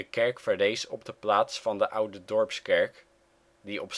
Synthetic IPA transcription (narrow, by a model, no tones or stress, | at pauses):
əkɛɹkfəɹlejsɔb̚dəplaːtsfɑndəʔʌwdədɔɹpskɛɹk | diʔɔps